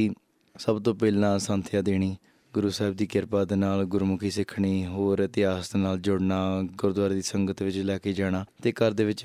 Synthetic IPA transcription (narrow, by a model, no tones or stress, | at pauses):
iː | səbt̪õːpɛːlãːsãːnt̪ʰjãːd̪eːɽ̃iː | ɡʊɾuːsaɦɪb̚d̪iːkɪɾpaːd̪enaːlɡʊɾmʊkʰiːsɪkʰːɳ̃iːɦoːɾət̪ɪɦaːsnaːld͡ʒʊɽnaːɡʊɾd̪ʊwaːɾːd̪iːsəŋɡət̪ʋɪt͡ʃlɛːkeːd͡ʒaːɽ̃aːt̪eːkəɾd̪eːʋɪt͡ʃ